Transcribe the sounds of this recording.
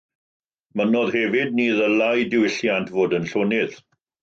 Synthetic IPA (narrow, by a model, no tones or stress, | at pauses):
mənɔðhɛvɪd̚niːðəlajdɪwɪɬjantʰvoːdənɬoːnɪð̥